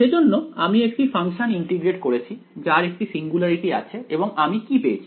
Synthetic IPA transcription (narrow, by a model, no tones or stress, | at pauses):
ʃed͡ʑonːoamiek̚ʈifaŋʃoniɳʈiɡɾeʈkoɾet͡ɕʰid͡ʑaɾek̚ʈisiŋɡulaɾiʈia̰t͡ɕʰeeboŋamikipeet͡ɕʰi